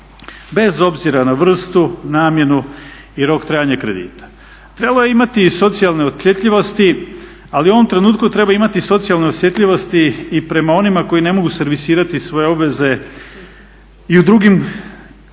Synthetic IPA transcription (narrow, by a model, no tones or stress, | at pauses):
be̞zo̞bziɾanaʋr̩st̪unaːmje̞nu | iɾo̞kt̪ɾaːjaɲakɾe̞̰d̪ḭːt̪ḁ | t̪ɾelojeimat̪iso̞t̪sijalneoʎʲet̪ʎiʋo̞st̪i | aliuo̞ʋo̞mt̪ɾe̞nuːt̪kut̪ɾe̞baimat̪iso̞t̪sijalˠneosje̞t̪lʎʲiʋo̞st̪iːpɾe̞mao̞nimako̞jine̞mo̞ɡuse̞ɾʋisiːɾat̪isʋo̞jeo̞bʋe̞ze̞ | iud̪ɾuɡim